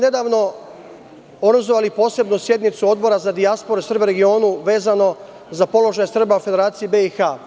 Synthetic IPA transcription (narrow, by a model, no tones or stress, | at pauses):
ne̞d̪aːʋno̞ | oɡɾazoʋalipo̞ːse̞bnusje̞d̪nit̪suo̞d̪bo̞ɾazad̪iaspo̞ɾesr̩beɾe̞ɡio̞ːnuʋe̞ːzano̞ | zapo̞lo̞ʒajesr̩baufe̞d̪e̞ɾaːt̪sijebe̞ixaː